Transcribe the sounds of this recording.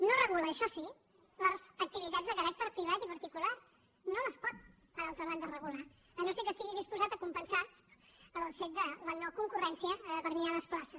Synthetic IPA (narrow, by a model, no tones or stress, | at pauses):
norəɣuləːʃɔsi | ləzək̚t̪iβit̪add͡zzðəkəɾɛk̚t̪əɾpɾiβ̞at̪ipɐɾt̪ikulaɾ | noməspɔt̪̚ | pəɾalˠt̪ɾəβand̪ərəɣula | ənosikəst̪iɣiðispuzat̪əkumpənsa | əməlˠfet̪̚d̪ələnɔəkuŋkurɛnsiəβəɾmiaðəsplasə